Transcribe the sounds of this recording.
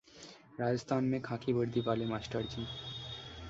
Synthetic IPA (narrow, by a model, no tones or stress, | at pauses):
ɾad͡ʑəst̪ʰanmekʰakibəɾd̪ʱibalemasʈəɾd͡ʑin